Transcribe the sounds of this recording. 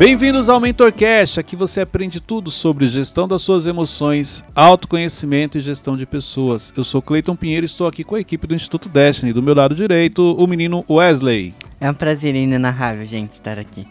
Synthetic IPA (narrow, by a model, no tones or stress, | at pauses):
b̥ẽj̃vĩnd̪ʊzawmẽt̪oɾkɛst͡ʃakɪvoseapɾẽnd͡ʒɪt̪ud̪ʊsobɾɪʒest̪ɐ̃w̃d̪ɐsuɐzemosõj̃sawt̪ʊ̥kõɲesimẽnt̪ʊɪʒest̪ɐ̃w̃d͡ʒɪpesoɐsewsowklejt̪õpĩɲejɾʊɪɪst̪owakikõɐekipɪd̪ʊĩst͡ʃi̥t̪ut̪ʊd̪ɛʃt͡ʃnɪd̪ʊmewlad̪ʊd͡ʒiɾejt̪ʊʊminĩnʊʔʊɛzlejɛũpɾazelĩɲɐnaɦavewʒẽnt͡ʃɪ̥st̪a̰ɾaki